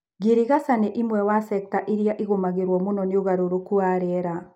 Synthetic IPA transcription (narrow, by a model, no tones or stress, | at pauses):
ɡeɾiɣasaneʔimwɛwasɛk̚taʔiɾjaʔiɣomaɣeɾwɔmonɔneoɣaɾoɾokuaɾɛɾa